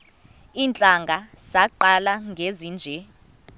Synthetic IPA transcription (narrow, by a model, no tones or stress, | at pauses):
iːnt͡ɬʼaŋɡʱasaǃalaŋɡʱeziːnd͡ʒʱɛ